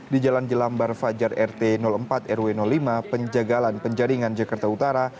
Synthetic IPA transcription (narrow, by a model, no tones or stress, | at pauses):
did͡ʒaland͡ʒəlambarfad͡ʒarɛrt̪enɔləmpat̪ɛrwenɔlːimapəɲd͡ʒaɡalanpəɲd͡ʒaɾiŋand͡ʒakart̪aut̪aɾa